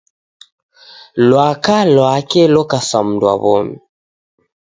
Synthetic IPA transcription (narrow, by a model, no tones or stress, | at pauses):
lwakalwakɛlɔkasam̩dwa̰βɔmi